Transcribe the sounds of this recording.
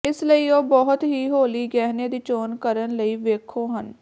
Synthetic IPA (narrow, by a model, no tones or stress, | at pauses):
ɪsləiːoːbɔːɦʊt̪ɦiːɦoːliːɡɛːɦneːd̪iːt͡ʃoːnkəɾənləiːʋeːkʰoːɦən